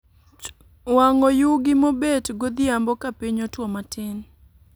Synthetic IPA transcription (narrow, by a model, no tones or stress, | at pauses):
waŋɔjuɡɪmobetɡod̪ɪambɔkapiɲotwɔmatɪn